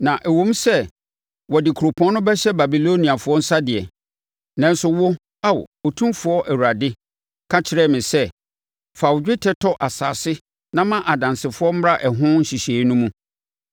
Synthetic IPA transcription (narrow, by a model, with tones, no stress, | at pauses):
nã˨ʔæ˨wõ˦m˦sɛ˦ | wɔ˨dɪ˨kʰɾo˨pʰɔ̃˦nʊ̃˦bɛ˦ɕɛ˦ba˨bi˨lo˦ni˨a˨fʊ˦ɔ˦n̩˦sa˦dɪ˨ɛ˨ | nɛ̃˦n˦sʊ˨wʊ˦ | a˦˨w̰o˨tʰũ˦mfʊ˨˦ɔ˦ʔæ˨wu˨ɾa˨dɪ˦ | kʰa˦t͡ɕʰɪ˨ɾɛ˦mɪ̃˨sɛ˦ | fa˨wd͡ʑᶣɪ˦tʰɛ˦tʰɔ˦ʔa˨saː˨sɪ˦ | nã˦mã˦ʔa˨dã˨nsɪ˨fʊ˦ɔ˦m̩˦m˦a˦ʔɛ˨ɦʊ̃˦n̩˦ɕi˨ɕeː˨˦nʊ̃˦mũ˦